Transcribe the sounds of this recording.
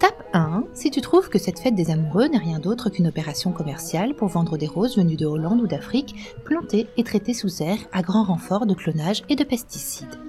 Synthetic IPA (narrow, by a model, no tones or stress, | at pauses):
t̪apɛ̃sit̪yt̪χuvkəsɛt̪fɛt̪̚d̪ezamuʁønɛʁjɛ̃d̪ot̪χəkynɔpeʁasjɔ̃kɔmɛʁsjalpuʁvɑ̃d̪ʁəd̪eʁozvənyd̪əolɑ̃d̪ud̪afχikplɑ̃t̪eːt̪χet̪esuzɛʁaɡʁɑ̃ʁɑ̃fɔʁd̪əklɔnaʒed̪əpɛst̪isid̪